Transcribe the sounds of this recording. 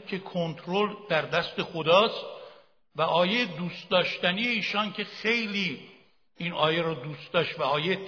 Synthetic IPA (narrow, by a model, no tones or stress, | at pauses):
kʰe̞kʰont̪ʰɾold̪̥æɾd̪æst̪e̞xod̪ɒːst̪ | væʔɒːjejed̪uːst̪̚d̪ɒːʃt̪ænijeiːʃɒːncʰe̞xe̞jliː | iːnɒːjeɾɒːd̪uːst̪̚d̪ɒːʃt̪væɒːjeje